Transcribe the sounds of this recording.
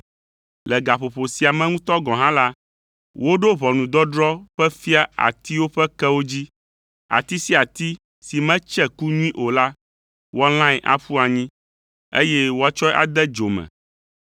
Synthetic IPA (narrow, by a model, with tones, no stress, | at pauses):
lɛ˨ɡa˨ɸo˨ɸo˨si˨a˨mɛ̃˦ŋũ˦t̪ɔ˦ɡɔ̃˨ɦã˦la˦ | wo˦ɖo˦βɔ˨nũ˨d̪ɔ˦ɖɾɔ˦ɸɛ˦fi˦a˦a̰˨t̪i˦wo˦ɸɛ˦kɛ˦wo˦d͡ʑi˦ | a̰˨t̪i˦si˦a˨t̪i˦ | si˨mɛ̃˦t͡ʃɛ˦ku˦ɲũ˦ĩ˦ʔo˨la˦ | wɔ˦l̃ã˦ɛ˨ʔa̰˨ɸu˦a˨ɲĩ˦ | ḛ˦jɛ˦wo˦a˦t͡ʃɔ˦ɛ˦ʔa̰˨d̪ɛ˦d͡ʒo˨mɛ̰̃˨